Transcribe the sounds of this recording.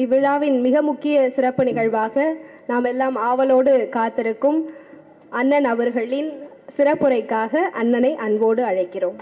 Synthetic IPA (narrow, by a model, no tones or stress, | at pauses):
ɪʋɪɻaːʋɪnmɪɣɐmʊkːɪjɐsɪɾɐpːɯnɪɣɐɻʋaːɣɐnaːmɛlːaːmaːʋɐloːɽɯkaːt̪ːɪɾɯkːɯm | ʔɐnːɐnɐʋɐɾɣɐɭɪnsɪɾɐpːɯɾɐɪkːaːɣɐʔɐnːɐnɐɪʔɐnʋoːɽɯɐɻɐɪkːɪroːm